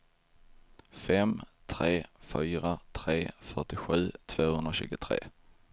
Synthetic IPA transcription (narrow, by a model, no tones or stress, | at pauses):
fɛmt̪ʰɾeːfyːɾat̪ʰɾeːfœʈɪɧʉ̟ːt̪ʰv̥oːhɵnd̪ɾaɕʉ̟ːɡʊt̪ʰɾḛː